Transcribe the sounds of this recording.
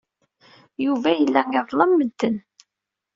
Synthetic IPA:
juvæjəlːæŋəðˤlˤɑmːəd̪ːən

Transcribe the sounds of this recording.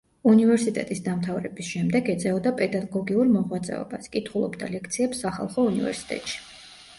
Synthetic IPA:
univɛɾsit̪ʼɛ̰t̪ʼisd̪amt̪ʰavɾɛbisʃɛmd̪ɛɡɛd̪zɛɔd̪apʼɛd̪aɡɔɡiuɾmɔʁwat̪sʼɛ̰ɔ̰baskʼit̪ʰχulˠɔ̰bd̪a̰lɛkʰt̪sʰiɛpsːaχa̰lˠχɔunivɛ̰ɾsi̥t̪ʼɛ̰t̪ʼʃi̥

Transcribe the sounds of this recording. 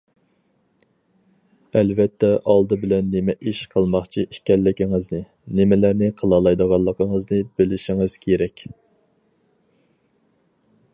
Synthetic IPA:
ɛlvɛt̪ʰːɛʔɑlˠd̪ɨbɪlɛnːɪmɛʔiʃqʰəlˠmɑχt͡ʃʰiikʲɛlːɪkʲiŋɨznɨ | nɪmɪlæɾnɪqʰəlˠɑlˠɑjd̪əʁɑlˠːəqʰəŋəznɨbɪlɪʃɪŋɨz̥kʲʰeɾɛkʲ

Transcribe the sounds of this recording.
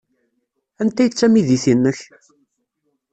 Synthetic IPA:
ænt̪æjət͡sːæmiðiθinːəç

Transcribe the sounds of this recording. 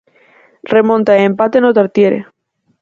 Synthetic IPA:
remõnt̪aeempat̪enot̪aɾt̪jeɾḛ

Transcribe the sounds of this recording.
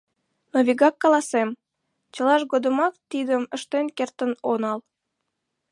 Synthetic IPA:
noβʲiɡɑkːɑlɑsem | t͡ɕəlɑʃɣod̪əmɑkt̪id̪əməʃt̪enkert̪ənonɑl

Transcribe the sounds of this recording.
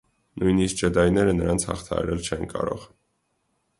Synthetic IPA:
nujnisk̚d͡ʒəd̪ɑjnɛɾənəɾɑnt͡sʰhɑ̰χt̪ʰɑɑ̰ɾɛlt͡ʃʰɛnkɑɾɔ̰ʁ

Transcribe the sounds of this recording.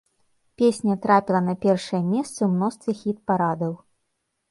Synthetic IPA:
pʲesʲnʲɐt̪ɾapʲilˠɐnɐpʲɛrʂɨjɐmʲɛst̪sɨwmnɔst̪vʲixʲit̪̚paɾad̪ɐw

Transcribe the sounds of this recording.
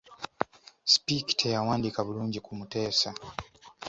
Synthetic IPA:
spiktʰɛjawandikaβulund͡ʒikumutɛːsa

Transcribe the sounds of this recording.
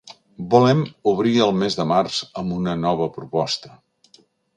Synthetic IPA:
bulɛmuβ̞ɾiəlˠmezðəmarz̥əmbunənɔβ̞əpɾupɔst̪ə̥

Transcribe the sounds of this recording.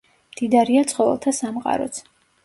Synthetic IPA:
md̪̥id̪aɾiat̪sʼχʼɔvɛ̰lˠt̪ʰasamqʼa̰ɾɔ̰t̪sʰ

